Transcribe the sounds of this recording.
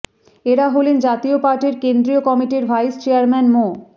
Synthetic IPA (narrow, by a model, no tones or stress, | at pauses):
eɾaɦolend͡ʑat̪iopaɾʈeɾkend̪ɾiokɔmiʈiɾbʱajst͡ɕeaɾmɛnmo